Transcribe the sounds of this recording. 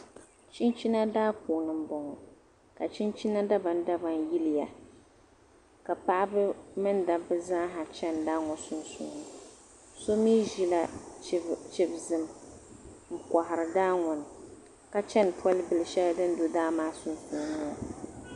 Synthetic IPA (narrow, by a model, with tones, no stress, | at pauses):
t͡ʃi˦nt͡ʃi˦na˦daː˦puː˨nɨ˨m̩˦bɔ˨ŋɔ˨ | ka˨t͡ʃi˦nt͡ʃi˦na˦da˦ba˨n˦da˦ba˨nji˦lɪ˨ja˨ | ka˨pa˦ʔbɨ˦mɨ˦nda˨bɨ˦zã˦ɦa˨t͡ʃɛ˦ndaː˦ŋɔ˨sʊ˦nsṵː˨nɨ˦ | so˦miː˦ʒi˦la˦ | t͡ʃɛ˦bzɨ˨m | ŋ̩˨ka˨ɦɪ˨ɾɨ˨daː˦ŋɔ˨n˨ | ka˦t͡ʃɛ˦n˨pʰɔ˦lɨ˦bɨ˨lɨ˨ʃɛ˦la˦dɨ˦n̩˦do˨daː˦maː˦sʊ˦nsuː˨nʊ˦ɔ˨